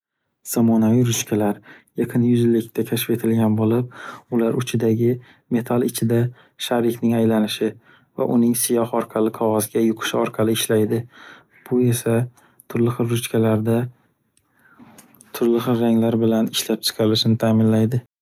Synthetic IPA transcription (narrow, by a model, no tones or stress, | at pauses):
z̥amɒnaviɾʊt͡ʃkʲʰalaɾjaqʰɨnjʊzɪlːɪk̚ʲt̪ʰakʲʰaʃɪpe̞t̪ʰɪlɡʲanbolɪp̚ʊlaɾʊt͡ʃʰɪd̪aɡʲɪ | me̞t̪ʰalˠɪt͡ʃʰɪd̪a | ʃaɾɪkʲnɪŋajlanɪʃɪ | va̰ʔʊnɪŋsɪjɒhɒɾqʰɑlɪqʰɒʁɒzɡʲajʊqʰɨ̥ʃɪɒɾqʰɑlɪːʃlajd̪ɪ | b̥ʊe̞sa | t̪ʰʊɾlɪχɨɾɾʊt͡ʃkʲʰalaɾd̪a | t̪ʰʊɾlɪχɨɾːaŋlaɾbɪlanɪʃlap̚t͡ʃʰɪ̥qʰɑɾɪlɪʃɪnɪt̪ʰaːmɪnlajd̪ɪ